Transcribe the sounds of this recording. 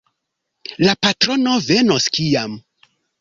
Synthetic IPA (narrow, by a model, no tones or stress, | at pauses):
lapatɾo̞no̞ve̞no̞skijam